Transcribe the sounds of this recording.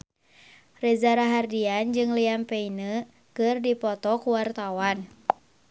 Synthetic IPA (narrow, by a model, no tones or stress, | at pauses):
rɛzaɾaɦardiand͡ʒɨŋliampeinə | kɨrdipɔt̪ɔkuwart̪awan